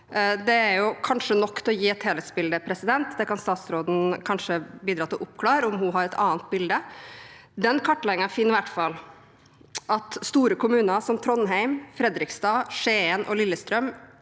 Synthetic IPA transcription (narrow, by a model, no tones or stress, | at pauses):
d̪ɛæɾjʊkʰɑnʂənɔkːt̪ʰɛlɔjiːɛt̪heːlət̪sbɪld̪əpʰɾɛsɪd̪ɛnt̪d̪ɛkɑnst̪ɑːt̪sɾoːd̪n̩kʰɑnʂəbiːd̪ɾɑːt̪ʰːɪlʔʊpkʰlɑːɾɔmhʊɦɑɾɛt̪ʰɑ̰ːnt̪̚bɪld̪ə | d̪ɛnkʰɑʈːlɛɪŋɑfinːɪʋæʈfɑlː | ʔɑt̪st̪uːɾəkʰʊmʉːnɑsɔmt̪ʰɾɔnɦæɪmfɾɛd̪ɾɪkst̪ɑːʂeːənʔɔ̰lɪlːəst̪ɾœm